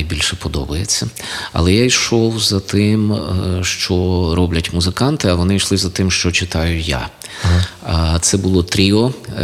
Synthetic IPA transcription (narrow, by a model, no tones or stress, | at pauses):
jbʲilʲʃɛpɔd̪ɔbɐjet͡sʲːɐɐ̰lˠɛjajʃɔwzɐt̪ɪmʃt͡ʃɔɾɔblʲɐtʲmʊzɪkɑnt̪ɪɐʋɔnɪjʃlˠɪzɐt̪ɪmʃt͡ʃɔt͡ʃɪt̪ɑjʊja̰ | t̪sɛbʊlˠɔt̪ɾʲiɔ